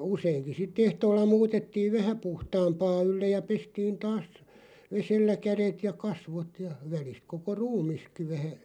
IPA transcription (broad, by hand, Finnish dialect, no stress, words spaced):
useiŋki sitˑ ehtoːlːɑ muːtetːiːʋ ʋæhæ puhtɑːmpɑː ylːej̆ jɑ pestiːn tɑːs ʋeselːæ kæɾet jɑ kɑsʋot jɑ ʋælist koko ruːmiski ʋæhæ